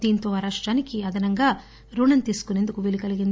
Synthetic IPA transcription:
d̪iːnt̪o̞ːɾaːʂʈɾaːnikiɐd̪ɐnɐŋɡaː | ɾuːɳɐnt̪iːsu̥kune̞nd̪ukuʋelikɐliɡin

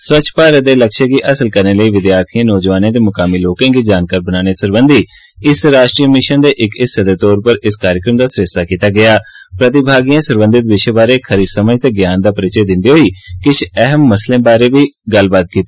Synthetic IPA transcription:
swət͡ʃʰpaːɾəd̪eːləkʃẽkiːʔəsəlkəɾneːləiːʋɪd̪jaːɾt̪ʰijãːnɔːd͡ʒʋaːnẽːd̪eːmʊkaːmiːloːkãːɡiːd͡ʒaːnkaːɾbənaːneːsəɾbənd̪iː | ɪsɾaːʃʈɾiːmɪʃənd̪eːʔɪkɪssəd̪eːt̪ɔːɾpəɾɪskaːɾjəkɾəmd̪aːsɾɪst̪aːkiːt̪aːɡɪjaː | pɾət̪ɪbʱaːɡijãːsəɾbə̃nd̪ɪt̪ʋɪʃebaːɾeːkʰəɾiːd̪səməd͡ʒt̪eːɡjaːnd̪aːpəɾɪt͡ʃeːd̪ɪ̃nd̪eːɦoːiːkɪt͡ʃʰɛɦəmːəslẽːbaːɾeːʋiːɡəlbaːt̪̚kiːt̪ː

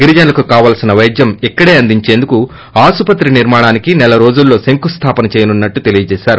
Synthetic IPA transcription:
ɡiɾid͡ʒɐnlɐkukaːʋaːlsinɐʋɐjd͡ʒ̪jɐmikːɐɽeːɐnd̪iɲt͡ʃe̞ːnd̪uku | aːsupɐt̪ɾiniɾmaːɳaːnikinɛlɐɾo̞ːd͡ʒulːo̞ːseŋkust̪ʰaːpɐnɐt͡ʃeːjɐnunːɐʈːut̪e̞lijɐt͡ʃɛːʃaːɾu

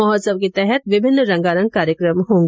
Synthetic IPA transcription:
ɔɦɔːsəb̚ket̪ɛɦɛt̪ʋɪbʱɪnːɾɐ̃ŋɡaːɾə̃ŋɡ̚kaːɾjəkɾəmɦõːŋɡ

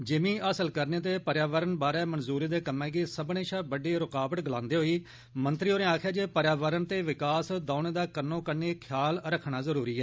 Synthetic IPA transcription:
d͡ʒɪmĩːʔəsəlkəɾneːt̪̬eːpəɾjaːʋəɾənbaːɾɛːmənzuːɾiːd̪eːkəmːɛ̃ːɡiːsəbɳẽːʃaːbəɖeːɾʊkaːbət̪ɡəlãːnd̪eːɦoːiː | mənt̪ɾiːoːnẽːaːkʰjaːd͡ʒeːpəɾjaːʋəɾənt̪eːʋɪkaːsd̪aːʊneːd̪aːkəɾnõːkəɾneːkʰjaːlɾəkʰːɳaːzəɾuːɾiːɛː

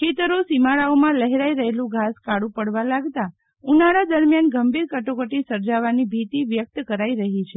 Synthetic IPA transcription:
kʰet̪əɾosimaɭaomãləɦeɾaiɾəɦelũɡʱaskaɽũpəɽʋalaɡt̪a | unaɽad̪əɾmjanɡəmbiɾkəʈokəʈisəɾd͡ʒaʋanibʱit̪iʋjək̚t̪kəɾaiɾəɦit͡ʃʰe

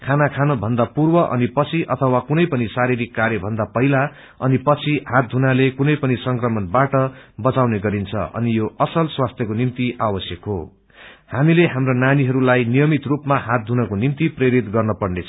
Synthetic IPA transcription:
kʰanakʰanʌbʱʌnd̪apurbʌʔʌ̰nipʌt͡sʰiʔʌt̪ʰʌwakunʌjpʌnisaɾiɾikːaɾjʌbʱʌnd̪apʌɦila | ʌnipʌt͡sʰihat̪̚d̪ʱunalekunʌjpʌnisʌŋkrʌmʌnbaʈʌbʌt͡sawneɡʌɾint͡sʰʌ̰ʔʌ̰nijoʔʌsʌlswast̪ʰjʌkonimt̪iʔawʌsjʌkɦo̰ | hamileɦamronaniɦʌɾulajnijʌmit̪rupmaɦat̪̚dʱunʌkonimt̪ipreɾit̪ɡʌrnʌpʌɽnet͡sʰ

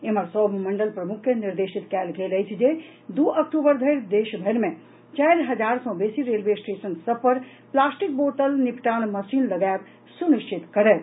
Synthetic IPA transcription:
eməɾsɔːmɐ̃ɳɖəlpɾəmʊkʰjəniɾd̪eːʃit̪kɛːlɡeːləjt͡ʃʰd͡ʒe | d̪uːʔɐkʈuːbəɾd̪ʱəɪɾd̪eːʃbʱeɾmẽ | t͡ʃaːɾɦɐd͡ʒaːɾsɔ̃beːsiɾeːlʋesʈeːsənsəbpəɾ | plaːsʈik̚boːʈəlnipʈaːnmɐsiːnlɐɡaːɾ | sunɪʃt͡ʃɪt̪kɐɾe

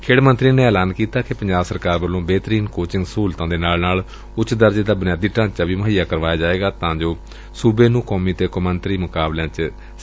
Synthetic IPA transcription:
kʰeːɽmə̃nt̪ɾiːneːɛːlaːnkiːt̪aːkɪpəɲd͡ʒaːbsəɾkaːɾbəlːõːbeːt̪ɾiːnkoːt͡ʃɪ̃ŋɡsuːlt̪ãːd̪eːnaːlnaːl | ʊt͡ʃːd̪əɾd͡ʒeːd̪aːbənɪjaːd̪iːʈãːt͡ʃaːʋiːməɦiːjaːkəɾʋaːjaːd͡ʒaːeːɡaːt̪ãːd͡ʒoː | suːbeːnũːkɔːmiːt̪eːkʊmənt̪ɾiːmʊkaːblãːt͡ʃ

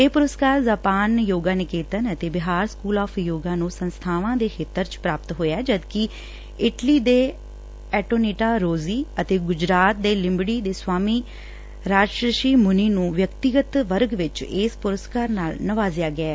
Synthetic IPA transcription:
eːpʊɾəskaːɾzaːpaːnjoːɡaːnɪkeːt̪ənət̪eːbɪɦaːɾskuːlaːpʰjoːɡãːnũːsənst̪ʰaːʋãːd̪eːxʰeːt̪ːəɾt͡ʃpɾaːpət̪ɦoːjaːd͡ʒəd̪ki | ɪʈliːd̪eː | ɛːʈoːniːʈaːɾoːziːət̪eːɡʊd͡ʒɾaːt̪̚d̪eːlɪ̃mbɽiːd̪eːswaːmiː | ɾaːd͡ʒʃɾəʃiːmʊniːnũːʋjəkt̪ɪɡət̪ʋəɾɡʋɪt͡ʃɪspʊɾəskaːɾnaːlnəʋaːzjaːɡɪɛː

